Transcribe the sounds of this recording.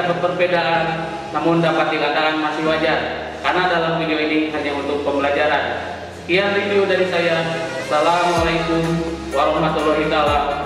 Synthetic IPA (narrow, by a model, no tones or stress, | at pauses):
bəpərbɛdaʔan | namʊndapat̪̚diɡadaanmasiwad͡ʒar | karnadalampidioiniɦaɲaunt̪ʊk̚pəmbəlad͡ʒaɾan | kijanriviodaɾisajasalamalaikum | waɾɔɦmat̪ɔlɔɦit̪ala